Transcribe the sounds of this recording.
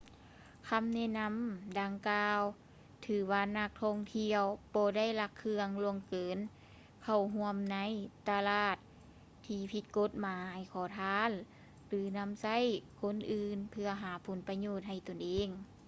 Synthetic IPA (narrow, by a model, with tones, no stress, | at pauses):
kʰa˧˥˨mnɛ˧˨na˧˥˨mda˧ŋkaː˧w | t̪ʰɯː˨˦waː˧na˧k̚t̪ʰɔ˧˥˨ŋt̪ʰi˧əwbɔː˧˦da˥˩˨jla˧˩kʰːɯ˧əŋlu˧əŋkɤː˨˦n | kʰa˧˩wɦu˧˥əmna˧˥˨jt̪a˧laː˧˩t̪̚ʰː | iː˧˩pʰi˧˦t̪̚ko˧˥t̪̚maː˨˦jkʰɔː˨˩˦t̪ʰaː˧˥n | lɯː˨˦na˧˥˨msa˧˥˨jkʰo˧˥˨nʔɯː˧npʰɯ˧ɐɦaː˨˦pʰo˨˦npa˧ɲoː˧˩t̪̚ha˧˩jt̪o˨˩nʔeː˧˥ŋ